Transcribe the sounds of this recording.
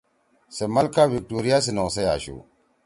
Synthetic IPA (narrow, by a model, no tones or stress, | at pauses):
semalkavik̚toɾijas̬inɔsaja̰ʃo̰